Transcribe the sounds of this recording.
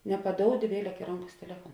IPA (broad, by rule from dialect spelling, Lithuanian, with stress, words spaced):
nʲɛpɐˈdoːʊdʲɪ ˈʋʲiɛˌlʲɛk ɪ ˈroːŋˌkɐs tʲɛˈlʲæːfuɔn